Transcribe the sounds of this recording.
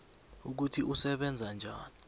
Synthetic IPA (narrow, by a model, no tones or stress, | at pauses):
uk̬utʰiʔusɛɓɛnd͡zʱand͡ʒʱaːni